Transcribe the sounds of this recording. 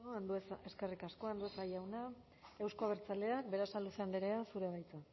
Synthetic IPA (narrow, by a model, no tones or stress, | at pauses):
oand̪useske̞rikasko̞and̪uesajawna | e̞wsko̞aβ̞eɾt͡sald̪e̞ak̚be̞ɾasaluse̞and̪eɾeasuɾe̞βajt͡sa